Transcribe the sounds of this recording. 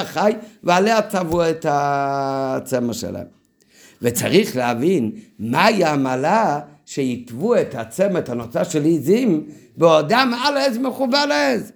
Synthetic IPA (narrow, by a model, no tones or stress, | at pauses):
aχajvealehat͡savuɛta | t͡sɛmaʃɛ̰la̰ḛm | vet͡sa̰ʁiχleavinmaiamala | ʃeitvuɛtat͡sɛmaetanot͡saʃɛlizimbeodamalɛzmeχubalez